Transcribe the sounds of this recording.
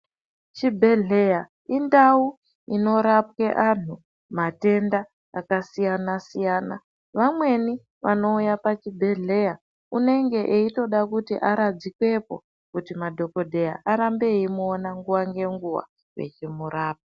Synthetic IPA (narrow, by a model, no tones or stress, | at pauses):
t͡ʃibʱe̞ɮe̞ja | indau | ino̞ɾap̚keʔan̤u | mate̞ndaː | kasijanasijaːna̰ | ʋamwe̞ni | ʋano̞ujapat͡ʃibʱe̞ɮe̞ja | une̞ŋɡe̞ʔeito̞ɗakutiʔaɾad͡zikwe̞po̞̰ | kutimadʱo̞ko̞dʱe̞ja̰ʔaɾambe̞imuonaŋɡuwaŋɡe̞ŋɡuwa̰ | wḛt͡ʃimuɾaːp̚ḁ